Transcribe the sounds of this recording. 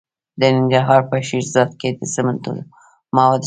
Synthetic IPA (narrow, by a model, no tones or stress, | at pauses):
d̪ənɪŋɡɾaɾɦɑɾpəʃiɾzɑt̪̚ked̪əsəmənt̪ṵl | mɑwɑd̪